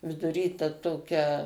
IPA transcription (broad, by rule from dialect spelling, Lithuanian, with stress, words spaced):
ʋʲɪdʊˈrʲiː tɐ ˈtoːkʲɛ